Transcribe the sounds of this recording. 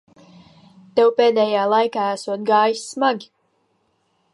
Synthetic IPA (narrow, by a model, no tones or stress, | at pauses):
t̪ɛwpeːd̪ɛːjaːlˠajkaːæsuɔt̪̚ɡaːjisːmaɡʲi